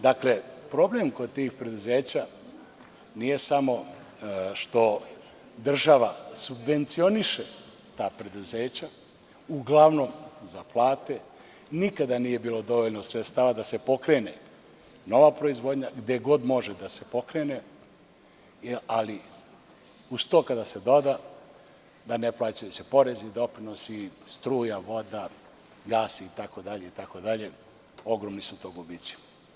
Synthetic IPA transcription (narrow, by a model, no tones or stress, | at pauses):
d̪akle̞pɾo̞ble̞mko̞d̪̚t̪iːxpɾe̞d̪uzeːt͡ɕa | nije̞samo̞ | ʃt̪o̞ | d̪r̩ʒaʋasubʋe̞nt̪sio̞niʃe | t̪aːpɾe̞d̪uzeːt͡ɕa | uɡlˠaʋno̞mzaplˠaːt̪e̞ | nikad̪anije̞biːlo̞d̪o̞ʋo̞ʎnosʋet̪st̪aʋad̪ase̞po̞kɾene | no̞ʋapɾo̞izʋod̪ɲaɡd̪eɡo̞d̪mo̞ʒed̪ase̞po̞kɾene | ali | ust̪o̞kad̪ase̞d̪od̪a | d̪aneplˠaːt͡ʃajusepo̞ɾe̞zid̪o̞pɾinosist̪ɾuːjaʋo̞d̪a | ɡaːsiːt̪ako̞d̪aʎe̞it̪ako̞d̪aʎe̞ | o̞ɡɾomnisut̪oɡubit̪si̥